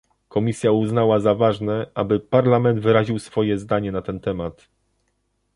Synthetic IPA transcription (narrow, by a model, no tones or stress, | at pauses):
kɔmʲisʲjauznawazavaʐnɛʔabɘpaɾlamɛnd̪vɘɾaʑiwsfɔjɛzd̪aɲɛnat̪ɛnt̪ɛmat̪